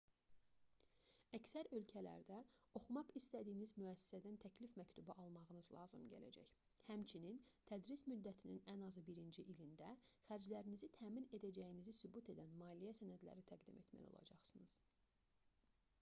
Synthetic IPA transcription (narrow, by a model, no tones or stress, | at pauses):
æcsæɾø̞lcʰælæ̰ɾd̪æo̞χumɑχist̪æd̪iːnizmyæsːi̥sæd̪ænt̪ʰæcʰlifmæct̪ʰubɑʔɑlˠmɑʁɯnɯzlˠɑ̰ːzɯmɟæ̰læ̰d͡ʒæ̰ç | hæmt͡ʃʰinint̪ʰæd̪ɾismyd̪ːæt̪ʰininænɑzɯbiɾind͡ʒiʔilind̪æχæɾd͡ʒlæɾinizit̪ʰæːmine̞d̪æd͡ʒæjinizisubut̪ʰe̞d̪ænmɑːlijæsænæd̪læ̰ɾit̪ʰæɡd̪ime̞t̪mæ̰jo̞̰lˠɑ̰d͡ʒɑχsɯnɯz̥